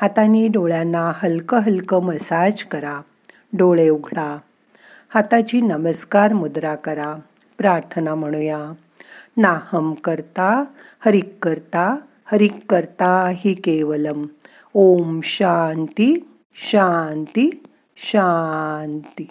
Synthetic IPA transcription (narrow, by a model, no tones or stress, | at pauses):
hat̪aniːɖoɭjanːaɦəlkəɦəlkəməsad͡ʑkəɾa | ɖoɭeuɡʱɽa | hat̪at͡ɕiːnəməskaɾmud̪ɾakəɾa | pɾaɾt̪ʰənam̤əɽ̃uja | nahəmkəɾt̪a | həɾikːəɾt̪a | həɾikːəɾt̪aɦikeʋələm | omɕant̪i | ɕant̪i | ɕant̪i